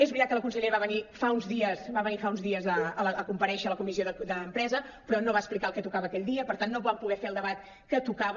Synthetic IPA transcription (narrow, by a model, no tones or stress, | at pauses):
ɛzβɾit̪at̪kələkunsəʎeɾβaβənifaunzðiəsbaβənifaunzðiəzəələəkumpəɾɛʃələkumisioðəd̪əːmpɾɛzə | pɾɔnoβaəsplikalˠkɛt̪ukaβəːkɛʎʲd̪iəpəɾt̪anːoβampuɣɛfeəlˠd̪əβat̪ | kət̪ukaβ